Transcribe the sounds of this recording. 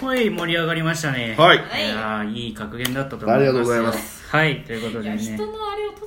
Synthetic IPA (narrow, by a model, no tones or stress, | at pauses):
hoimo̞ɾʲiaɡaɾʲimaɕi̥t̪ane̞haijaiːkakɯ̟ɡẽ̞nd̪at̪ːat̪oaɾʲiɡat̪oɡozaimas | hait̪o̞jɯ̟ko̞t̪o̞d̪ene̞moaɾe